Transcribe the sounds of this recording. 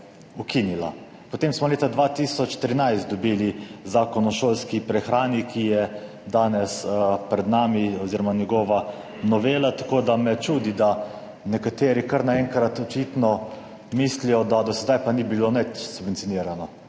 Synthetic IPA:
ukinila̰ | pot̪eːmsmɔleːt̪ad̪ʋaːt̪iːsɔt͡ʃt̪ɾinajst̪̚d̪ɔbiːlizaːkɔnɔʃoːlskipɾɛxɾaːnikʰijɛ | d̪aːnɛspɾɛd̪naːmiɔziɾɔmanjɛɡɔːʋa | nɔʋeːlat̪akoːd̪amɛt͡ʃuːd̪id̪a | nɛkat̪eːɾikəɾnaɛŋkɾat̪ɔt͡ʃit̪nɔ | miːslijɔd̪ad̪ɔsɛd̪ajpanibilonɛt͡ʃsubʋɛnt̪sʲioniːɾanɔ

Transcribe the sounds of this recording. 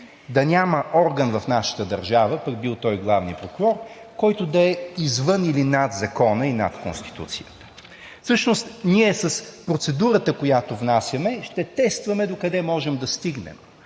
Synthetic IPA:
d̪ɐnʲaməʔɔɾɡənvɐfnaʃə̥t̪əd̪ɐɾʒavəpək̚bilˠt̪ɔjɡlˠavnḭpɾokuɾɔɾ | kɔjt̪od̪ɐɛizvɤnilinad̪zɐkɔnəina̰t̪ko̰nst̪i̥t̪ṵt̪sijət̪ə̥ | fsɤʃnost̪niɛsɐspɾot̪sɛd̪uɾət̪əkojat̪ovnasʲjɐmɛʃt̪ɛt̪ɛst̪vɐmɛd̪okɐd̪ɛmɔʒɛmd̪ɐst̪iɡnɛ̰m

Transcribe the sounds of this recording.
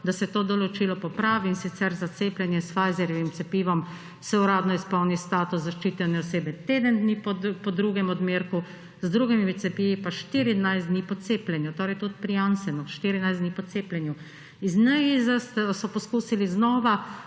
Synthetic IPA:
d̪asɛt̪oːd̪ɔlɔt͡ʃiːlɔpɔpɾaːʋiːnsit̪sɛɾzat̪seːplɛnjɛsfajzɛɾɔʋimt̪sɛpiːʋɔm | sɛuɾaːd̪nɔispɔwnist̪aːt̪uszaʃt͡ʃiːt̪ɛnɛɔseːbɛt̪eːd̪ənd̪nipɔpɔd̪ɾuːɡɛmɔd̪meːɾku | zd̪ɾuɡimimit̪sɛpiːʋipaʃt̪iɾid̪najzd̪niːpɔt̪seːplʲɛnjut̪oːɾɛjt̪ut̪pɾijansɛnɔʃt̪iɾinajzd̪nipɔt̪seːplʲɛnju | iznɛjizast̪sɔpɔskuːsiliznɔːʋa

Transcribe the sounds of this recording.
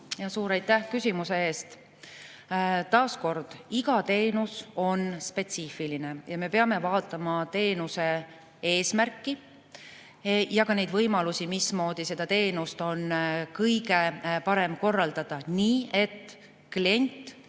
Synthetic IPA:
jɑsuːɾɑjt̪ːˑæhkysʲimuse̞e̞ːst̪ | t̪ɑːsko̞rd̪̥iɡɑt̪e̞ːnuso̞nspe̞t̪siːfiline̞jɑme̞pe̞ɑme̞vɑːt̪ːˑɑmɑt̪e̞ːnuse̞ | e̞ːsmærkːˑi | jɑkɑne̞jd̪vɤjmɑlusimismo̞ːd̪̥ise̞d̪̥ɑt̪e̞ːnust̪o̞nkɤjɡe̞pɑɾe̞mko̞rːɑld̪̥ɑd̪̥ɑniːe̞t̪ː | klie̞nʲt̪ːˑ

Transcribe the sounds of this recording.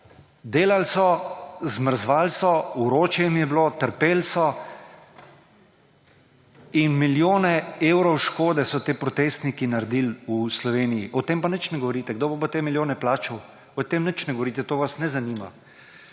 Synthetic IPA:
d̪eːlalsɔzməɾzʋaːlsɔuɾoːt͡ʃjɛmjɛbloːt̪əɾpeːlsɔ | inmiljoːnɛeːwɾɔwʃkoːd̪ɛsɔt̪eːpɾɔt̪eːst̪nikinaɾd̪iːluslɔʋeːnijiʔɔt̪eːmpanət͡ʃnɛɡɔʋɔɾiːt̪ɛɡ̚d̪oːbobot̪eːmiljoːnɛplaːt͡ʃɔw | ɔt̪eːmnət͡ʃnɛɡɔʋɔɾiːt̪ɛt̪oːʋasnɛzanima̰

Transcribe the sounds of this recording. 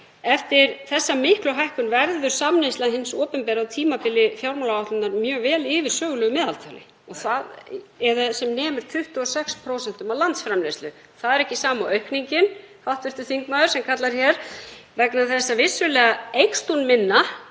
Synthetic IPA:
ɛft̪ɪɾθɛsːamɪhklʏɦajhkʏnvɛɾðʏɾ̥samnest̪laðɦɪnsɔːpʏmpɛːɾawt̪ʰiːmapɪlːɪfjawɾmɔlaaht̪ʏnaɾmjœːɣvɛːlɪːvɪɾ̥sœːɣʏlœːɣʏmɛːðalt̪ʰawlɪ̰ | ɔɣθaðɛɾðasɛmnɛːmʏɾ̥t̪ʰʏht̪ʏɔsɛkspʰɾoːwsɛn̥t̪ʏmawlant̪sfɾamnejst̪ʏ | θaðɛɾɛhcɪsaːmawœɥhkniɲcɪn | hawht̪vɪr̥t̪ʏθiŋkmaːðʏ̥sɛmkʰat̪laɾ̥çɛɾ̥vɛknaθɛsːavɪsːʏlɛːɣaejkst̪unmɪnːa

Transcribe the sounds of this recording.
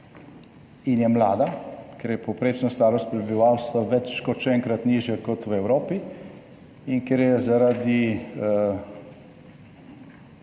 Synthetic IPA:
injɛmlaːd̪akɛɾjɛpowpɾeːt͡ʃnast̪aːɾɔst̪pɾɛbiʋaːwst̪ʋaʋɛt͡ʃːkɔt̪ʃɛɛŋkɾat̪niːʒjɛkɔt̪wɛwɾoːpi | inkɛɾjɛzaɾad̪i

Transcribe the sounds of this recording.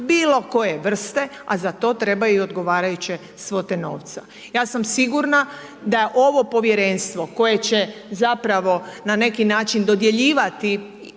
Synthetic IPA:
biːlo̞ko̞jeʋr̩st̪e̞azat̪o̞ːt̪ɾe̞bajuio̞d̪ɡo̞ʋaːɾajut͡ɕe | sʋot̪eno̰ːʋt̪sa | jaːsamsiɡuɾna | d̪ajeʔo̞ʋo̞po̞ʋje̞ɾenst̪ʋo̞ko̞je̞t͡ɕe̞zapɾaʋo̞nane̞kinaːt͡ʃind̪o̞d̪je̞ʎiːʋat̪i

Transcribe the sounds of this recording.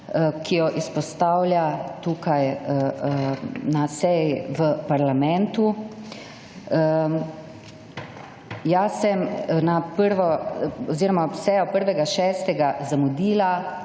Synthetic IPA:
kʰijɔʔispɔst̪aːwlʲjat̪uːkaj | nasɛjiʋəpaɾlamɛ̃nt̪u | jasɛmnapəɾʋɔɔziːɾɔmasɛjɔpəɾʋɛɡaʃɛːst̪ɛɡazamud̪iːla

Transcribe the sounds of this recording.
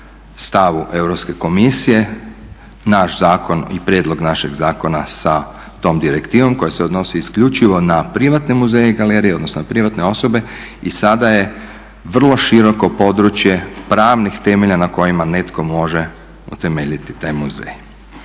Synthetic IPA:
st̪aʋuʔe̞wɾopske̞ko̞misije̞ | naʃzaːko̞nipɾje̞ːd̪lˠo̞ɡnaʃeɡzaːko̞nasa | t̪o̞ːmd̪iɾekt̪iːʋo̞mko̞jeseo̞d̪no̞siiskʎut͡ʃiʋo̞napɾiʋat̪nemuzeːjeɡaleɾijeo̞d̪nosnonapɾiʋat̪ne̞o̞so̞be̞ | isad̪aje̞ | ʋr̩lˠo̞ʃiɾo̞ko̞po̞d̪ɾut͡ʃje̞pɾaːʋnixt̪e̞meʎanako̞jimane̞t̪ko̞mo̞ʒe | ṵt̪e̞meʎit̪i̥t̪ajmuzḛj

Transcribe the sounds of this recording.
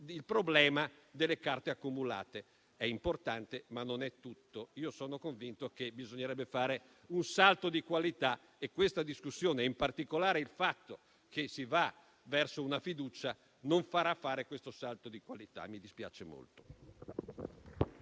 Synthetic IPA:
ilpɾoblɛːmad̪elːekart̪eakːumula̰ːt̪e | ɛimport̪ant̪emanːonɛt̪ːut̪ːoiːosoːnokoɱvint̪okebizoɲːeɾɛbːefaːɾe | unsalt̪od̪ikwalit̪a | ekwest̪ad̪iskusːjoːneimpart̪ikolaːɾeilfat̪ːo | k̟ʰesiva | vɛrsounafid̪uːt͡ʃa | noɱfaɾafːaːɾekwest̪osalt̪od̪ikwalit̪a̰mid̪ispja̰ːt͡ʃemo̰lt̪o̥

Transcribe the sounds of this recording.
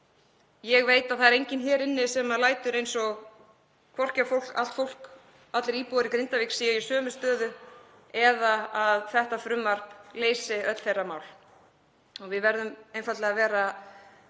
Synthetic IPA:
jɛɣveːjt̪aðθaðɛɾejɲcɪnçɛːɾɪnːɪsɛmalaːjt̪ʏɾejnsɔɣ | kʰvɔr̥cafowl̥ka̰lt̪fowl̥k | at̪lɪɾiːpowaɾɪkɾɪnt̪aviksiːjaisœːmʏst̪œːðʏ | ɛðaaðθɛht̪afɾʏmːar̥pleːjsɪœt̪l̥θejrːamaːwl | ɔɣvɪðvɛɾðʏmejnfat̪lɛɣavɛːɾa

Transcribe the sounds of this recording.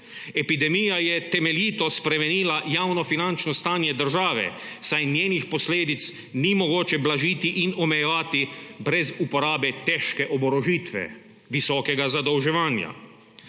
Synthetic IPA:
ɛpid̪ɛmijajɛt̪ɛmɛljiːt̪ɔspɾɛmɛniːlajaːwnɔfinant͡ʃnɔst̪aːnjɛd̪əɾʒaːʋɛ̰ | sajnjeːnixpɔsleːd̪it̪s | nimɔɡoːt͡ʃɛblaʒiːt̪iʔinɔmɛjɛʋaːt̪ibɾɛzupɔɾaːbɛt̪ɛːʃkɛʔɔbɔɾɔʒiːt̪ʋɛ̰ | ʋisɔːkɛɡazad̪ɔwʒɛʋaːnja̰

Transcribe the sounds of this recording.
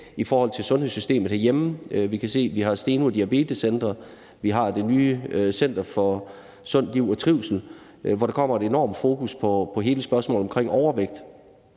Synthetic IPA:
ifɒːhɒ̽l̰t͡sʰe̝lsɔ̽nhe̝sysd̥e̝̰ːməð̩ˠhæɐjem̩ʋikʰæse̝̰ːʋiɦɑ̈sd̥e̝ːnuɐd̥iæb̥e̝̰ːd̥əsend̥ʁɐ | ʋiɦɑ̈d̥e̝nyːsen̰d̥ɐfɒ̽ | sɔ̽n̰dliʊ̰ɒt͡sʰʁiʊ̰sl̩ | ʋɒɾ̥ɑ̈kʰɒ̽m̰ɐe̝d̥e̝nɒ̰ːmfo̝ːkʰuspʰɒ̽pʰɒ̽ɦe̝ːləsb̥ɶɐsmɔ̰ːlˠɒ̽mkʰʁeŋ̰ɒʊɐʋeɡ̥̚d̥

